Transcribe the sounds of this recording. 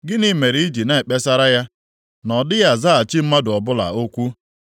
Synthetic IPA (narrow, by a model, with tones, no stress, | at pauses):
ɡɪ˦ni˦me˨ɾi˦i˦d͡ʒi˨na˦˨e˨k͡pe˦sa˦ɾa˦ja˦ | nɔ˨dɪ˦ja˦za˦a˨t͡ʃɪ˦m̩˦ma˦dʊ˨ɔ˨bʊ˦la̰˨o˦kʷu˦